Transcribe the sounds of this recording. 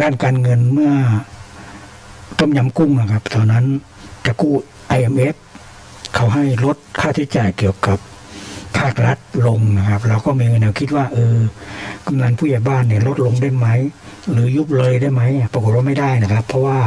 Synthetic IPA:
daː˧˥˩nkaː˨˧nŋɤ˧nmɯ˥˩ɐ | t̪ɔ˧˩mɲa˧˥mku˥˩ŋna˨˧˩kʰa˦˧˥p̚t̪ʰɔː˧na˦˧˥n | t͡ɕa˨˧˩kuː˧˥˩ | ʔa˧jʔe˧mʔe˦˥p̚ | kʰa˨˩wɦa˧˩jlo˦˥t̪̚kʰaː˧˥˩t̪ʰi˧˥t͡ɕaː˨˩jki˨˩əwka˨˩pʰː | aː˥˩k̚la˦t̪̚lo˧ŋna˧˩kʰa˦˧p̚la˧wkɔː˧˩miː˧ŋɤ˧ndɛ˧˩kʰi˧t̪̚waː˧˩ʔɤː˧ka˧˨mna˧˥npʰuː˧˩˨jaː˨˩baː˧˥˨nːi˧˩lo˧˦˥t̪̚lo˧ŋda˧˥˩jma˦˥˨j | lɯː˨˦ju˦˥p̚lɤː˧jdaː˧˥˩jma˦˥jpa˧ko˨˩t̪̚waː˥˩ma˥˩jda˥˩jna˧˩kʰa˦˥pʰːɔ˧waː˧˩

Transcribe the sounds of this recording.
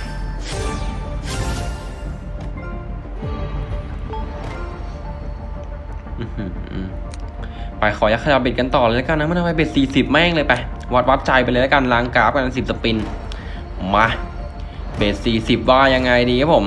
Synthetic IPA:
ʔɯː˧˩hʔɯː˧˩ | pa˧˩jxʰɔː˨˩˦ja˨˩kʰa˧ja˧˩p̚be˨˩t̚ka˧nt̪ɔː˨˩laː˧la˦˥ka˧na˧˦˥ma˧˥˨ʔ̪a˧wa˧jbeː˨˩t̪̚siː˨˩si˨˩p̚mɛː˥˩ŋlɤː˧jpa˧˩jwa˦˥t̪̚wa˦˥p̚t͡ɕa˧jpa˧lɤː˧la˦˥ka˧˩nlaː˧ŋkaː˦˥p̚ka˧nʔa˧nsi˨˩p̚sa˧pi˧n | ma˧ | beː˨˩t̪̚siː˨˩si˨˩p̚waː˧˩ja˧ŋːa˧jdiː˧kʰa˦˥pʰo˩˦m

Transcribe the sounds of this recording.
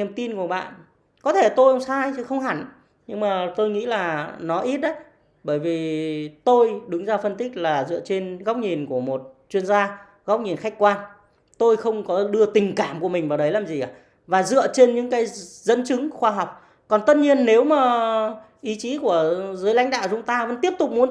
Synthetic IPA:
əmt̪i˧nku˧˩əɓa̰ː˧˨n | kɔ˨˦t̪ʰe˧˩t̪o˧jʔə˧wŋ͡msaː˧jɨ˧˦xə˧wŋ͡mɦa˧˩ŋ | ɲɨ˧ŋmaː˨˩t̪o˧jŋḭ˧˥laː˨˩nɔ˨˦ʔi˦˥t̚ʔə˨˦j | ɓəː˧˩jvi˨˩t̪o˧jɗɨ˨˦ŋzaː˧fə˧nt̪ï˦˥k̟̚laː˨˩zɨ̰˧˨ət͡ɕe˧nɣa˦˥k͡p̚ɲi˨˩nku˧˩əmo˨˩t̚t͡ɕwi˧ənzaː˧ | ɣa˦˥k͡p̚ɲi˨˩nxa˦˥jk̟kwaː˧n | t̪o˧jxə˧wŋ͡mkɔ˨˦ɗɨ˧ət̪ï˨˩ŋ̟kaː˧˩mku˧˩əmï˨˩ŋ̟vaː˨˩wɗə˨˦jlaː˨˩mzi˨˩ʔaː˨˩ | vaː˨˩zɨ̰˧˨ət͡ɕe˧nɲɨ̰˧˥ŋkaː˨˦jzə̰˧˥nt͡ɕɨ˨˦ŋxwaː˧ɦɔ˨˩wk͡p̚ | kɔ˨˩nt̪ə˦˥t̚ɲi˧ənːe˨˦wmaː˨˩ | ʔi˨˦t͡ɕi˨˦ku˧˩əzɨ˨˦jla̰˨˦jŋ̟ɗa̰ː˧˨wt͡ɕʊ˨˧˦ŋ͡mt̪aː˧və̰˧˥nt̪i˦˥əp̚t̪ʊ˨˩k͡p̚mu˨˦n

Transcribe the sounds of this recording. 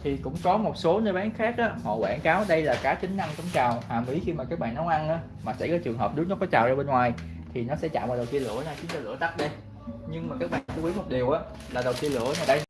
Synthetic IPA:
t̪ʰi˨˩kʊ̰˧˥ŋ͡mkɔ˨˦mo˨˩t̚so˨˦nəː˧jɓaː˨˦nxaː˦˥k̚ʔaː˨˦hɔ̰˧˨wa̰ː˧˩nkaː˨˦wɗə˧jlaː˨˩kaː˨˦˥t͡ɕï˨˦ŋ̟na˧ŋtɔ˨˦ŋ͡mt͡ɕaː˨˩whaː˨˩mʔi˨˦xi˧maː˨˩kaː˦˥k̚ɓa̰ː˧˨nːɔ˨˦wʔa˧nʔaː˨˦ | maː˨˩sɛ̰˧˥jkɔ˨˦t͡ɕɨ˨˩əŋɦəː˨˩p̚ɗɨ˨˦˥k̚nɔ˨˦kɔ˨˦t͡ɕa̰ː˨wzaː˧ɓe˧nŋwaː˨˩j | t̪ʰi˨˩nɔ˨˦sɛ̰˧˥t͡ɕa̰ː˧˨mɓaː˨˩ɗə˨˩wt̪i˧nlɨ̰˧˩˨ənaː˧˩xi˨˦nt͡ɕɔ˧lɨ̰˧˥ət̪a˦˥t̚ɗə˧j | ɲɨ˧ŋmaː˨˩kaː˦˥k̚ɓa̰ː˧˨n˨nkɔ̰˧˦kwi˨˦nmo˨˩t̚ɗi˨˩əwʔaː˨˦ | laː˨˩ɗə˨˩wt̪i˧əlɨ̰˧˩˥ənaː˨˩ɗə˧j

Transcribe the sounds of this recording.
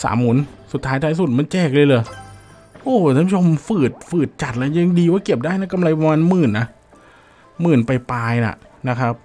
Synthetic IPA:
sa̰ː˩˦mːu˨˩˦nsu˨˩t̪ʰːaː˦˥jt̪ʰaː˨˦js̬u˨˩t̪̚ma˧nt͡ɕɛː˥˩k̚lɤː˧jlɤː˧j | ʔoː˧˩a˧˥˩pʰuː˥t͡ɕʰo˧mfɯː˨˩t̪̚fɯː˨˩t̪̚t͡ɕa˨˩t̪̚lɛ˦˧˥ja˧ŋdiː˧waː˥˩ki˨˩əp̚daː˥˩jna˦˥ka˧mla˧jpa˧maː˧nmɯː˨˩nːa˦˥ | mɯː˨˩npa˧jpaː˧jna̰˨˩ʔ | na˦˥kʰa˦˥p̚

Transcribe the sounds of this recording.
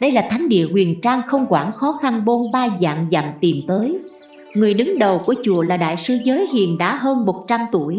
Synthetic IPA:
ɗə˧jlaː˨˩t̪ʰa˨˦jŋ̟ɗḭ˧˨əhwi˨˩ənt͡ɕaː˧ŋxə˧wŋ͡mkwaː˧˩nxɔ˨˦xa˧nɓo˧nɓaː˧za̰ː˧˨mza̰ː˧˨mt̪i˨˩mt̪əː˨˦j | ŋɨ˨˩əjɗɨ˨˦ŋɗə˨˩wku˧˩ət͡ɕu˧˩əlaː˨˩ɗa̰ː˧˨jsɨ˧zəː˨˦jɦḭ˧˨ənɗa̰ː˧˥ɦəː˧nmo˨˩t̚t͡ɕa˧mt̪u˧˩əj

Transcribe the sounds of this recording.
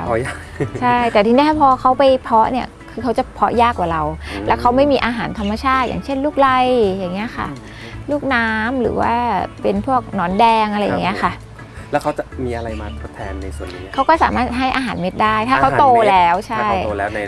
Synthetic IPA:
ja˥˩kt͡ɕʰa˥˩jt̪ɛː˨˩t̪ʰi˧ndaː˥˩t̪ʰa˥˩pʰɔː˧kʰa˦˥wpa˧jpʰɔ˦˥ni˥˩ɐkʰɯː˧kʰa˦˥wt͡ɕa˨˩pʰɔ˦˥jaː˥˩kːwaː˨˩ɾa˧wlɛː˦˥wkʰa˦˥wma˥˩jmiː˧ʔaː˧ɦaː˩˦nt̪ʰa˧mːa˧t͡ɕʰaː˥˩t̪̚ja̰ː˨˩ŋt͡ɕʰe˥˩nluː˥˩k̚la˧jja˨˩ŋːi˦˥ɐ˧xʰa̰˥˩ | luː˥˩k̚naː˦˥mɾɯ̰ː˩˦wa̰ː˥˩pe˧npʰu˥˩ək̚nɔː˦˥ndɛː˧ŋʔa˧ɾa˧jːa̰˨˩ŋːi˦˥ɐ˧˩xʰa˥˩ | lɛː˦˥wkʰa˦˥wt͡ɕa˨˩miː˧ʔa˧ɾa˧jmaː˧t̪ʰo˦˥t̪ʰːɛː˧nːa˧jsu˨˩ənni˦kʰa˦˥wkɔː˥˩saː˩˦maː˥˩t̪̚ɦa˥˩jʔaː˧ɦaː˩˦nme˦˥t̪̚daː˥˩jt̪ʰaː˥˩kʰa˦˥t̪oː˧lɛː˦˥wt͡ɕʰa˥˩jo˧lɛː˦˥na˧j

